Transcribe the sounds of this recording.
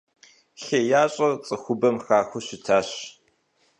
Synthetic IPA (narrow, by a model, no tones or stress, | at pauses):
ɬejaːɕʼɐt͡sʼɨxʷʊbɐmxaːxʷʊɕɪtʰaːɕ